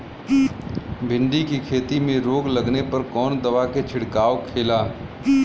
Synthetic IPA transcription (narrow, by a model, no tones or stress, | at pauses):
bʱɪ̃ɳɖikikʰeːt̪imẽɾoːɡlɐɡnepɐɾkɔːnd̪ɐʋaket͡ʃʰɪɽkaːokʰeːlaː